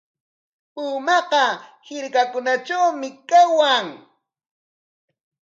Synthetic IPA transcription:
pʊːmɑqɑhɪɾkakʊnaʈ͡ʂawmɪkawaŋ

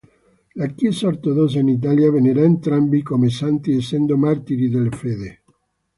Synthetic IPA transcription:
lakjɛsaoɾt̪oðɔs̬ainit̪̬aljaveneɾaent̪ɾambikomesant̪iesːɛnd̪omart̪iɾiðelefeːðe

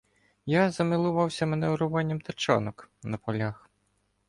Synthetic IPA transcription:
jazɐmɪlˠʊʋɑwsʲɐmɛnɛʊɾʊʋɑnʲːɐmt̪ɐt͡ʃa̰nɔknɐpɔlʲax

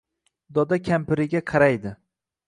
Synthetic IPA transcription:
d̪ɒd̪akʲʰampɪɾɪɡʲaqʰɑɾajd̪ɪ

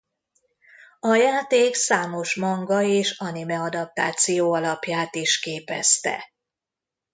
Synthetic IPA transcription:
ɒjaːt̪eːksaːmo̞ʃmɒŋɡɒeːʃɒnimɛɒd̪ɒp̚t̪a̰ːt̪sijoːɒlɒpjaːt̪iʃkeːpɛ̰st̪ɛ̰

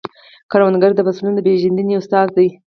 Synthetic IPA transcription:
kaɾwand̪ɡaɾd̪əbasulund̪əpeʒand̪əniʊst̪ɑzd̪aj

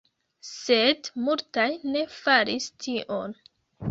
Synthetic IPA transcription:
sedmultajne̞faɾistʰiʔon

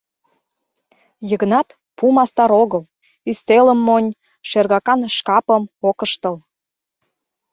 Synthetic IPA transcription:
jəɣnɑt̪ | pumɑst̪ɑɾoɣəl | yst̪eləmːonʲ | ʃerɣɑkɑnʃkɑpəmokəʃt̪əl

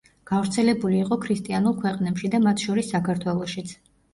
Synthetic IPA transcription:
ɡ̥avɾt̪sʰɛlɛbuliːqʼɔkʰɾist̪ʼianulˠkʰwɛqʼnɛpʃid̪amat̪ʰʃɔɾisːakʰaɾt̪ʰwɛlˠɔʃit̪sʰ

